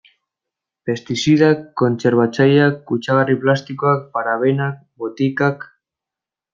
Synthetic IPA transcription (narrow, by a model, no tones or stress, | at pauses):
pe̞st̪isiðakːo̞nt͡seɾβat͡sajakːut͡ʃaɣariplast̪ikoak̚paɾaβenak̚bot̪ikak